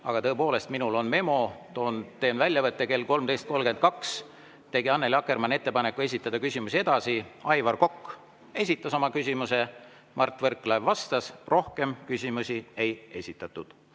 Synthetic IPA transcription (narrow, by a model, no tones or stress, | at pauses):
ɑɡ̥ɑt̪ɤepo̞ːle̞st̪minulo̞nme̞mo̞t̪o̞ːnt̪e̞ːnvælʲjɑvɤt̪ːˑeke̞lko̞lmd̪ejst̪̚ko̞lɡe̞nt̪̚kɑks | t̪e̞ɡiɑnːe̞lɑkːe̞rmɑnːe̞t̪ːe̞pɑne̞kːue̞s̬ʲit̪ːˑɑd̪̥ɑkysʲimusie̞d̪̥ɑsiɑjvɑrko̞kː | e̞sʲit̪ːˑɑso̞mɑkysʲimuse̞ | mɑrt̪ːˑvɤrkːˑlɑvːɑst̪ɑsro̞hke̞mkysʲimusie̞je̞sʲit̪ːˑɑt̪ːˑud̪̥